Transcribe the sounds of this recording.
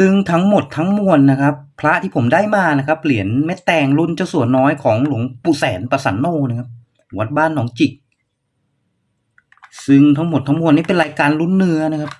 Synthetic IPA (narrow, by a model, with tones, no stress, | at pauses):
sɯ˧ŋt̪ʰa˦˥ŋmo˨˩t̪ʰːa˦˥ŋmu˧ənːa˦˥kʰa˦˥pʰːɾa˦˥ʔt̪ʰiː˥˩pʰo˩˦mdaː˥˩jmaː˧na˦˥kʰa˦˥p̚li˨˩˦ənme˦˥t̪ːɛː˧ŋlu˥˩nt͡ɕaː˥˩wsu˨˩ənːɔː˦˥jkʰɔː˩˦ŋlu˨˩˦ŋpuː˧˩sɛː˩˦npa˧sa̰˩˦nːoː˧˩na˧˥˩kʰa˦˥p̚ | mu˩˦ət̪̚baː˥˩nːɔː˩˦ŋt͡ɕi˨˩k̚ | sɯ˧ŋt̪ʰa˦˥ŋmo˨˩t̪ʰːa˦˥ŋmu˧ənːiː˥˩pe˧nɾaː˧jkaː˧nlu˥˩nːɯ˧˥ɐna˥kʰa˦˥p̚